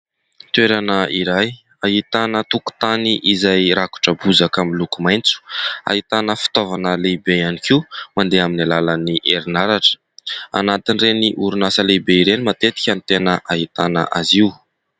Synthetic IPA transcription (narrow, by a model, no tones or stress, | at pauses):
t̪ueɾanəiɾaj | aɦit̪anət̪uku̥t̪aniʔizajɾaku̥ʈ͡ʂəbuzakamilukumajnt͡su̥a̰ɦit̪anəfi̥t̪ovanəlebejanikiumand̪eaminalalaniʔeɾinaɾaʈ͡ʂə̥ | a̰nat̪inreniʔuɾunasəlebeiɾenimat̪et̪i̥kʲant̪enəʔaɦit̪anə̰ʔaziw